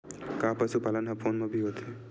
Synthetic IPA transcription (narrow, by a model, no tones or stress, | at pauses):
kapasupalanɦapʰonmabʱiɦot̪ʰi